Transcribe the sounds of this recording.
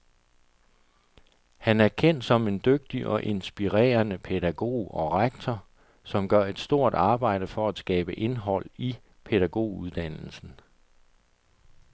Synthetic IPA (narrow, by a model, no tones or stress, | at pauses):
hænæɐkʰen̰d̥sɒ̽me̝nd̥øɡ̥̚d̥iʔɒ̽ʔe̝nsb̥iʁɛ̰ːɐnəpʰe̝d̥æɡ̥o̝̰ːɒ̽ʁɑ̈ɡ̥̚t͡sʰɒ | sɒ̽mɡ̥ɶɐ̰e̝d̥sd̥o̝ɐ̰d̥ɑ̈ːb̥ɑ̈ɪ̰ɾ̥əfɒ̽æd̥sɡ̥ɛ̰ːb̥əʔe̝nɦɒ̽l̰i | pʰe̝ð̥æɡ̥o̝̰ːuð̞ˠd̥æn̰l̩sn̩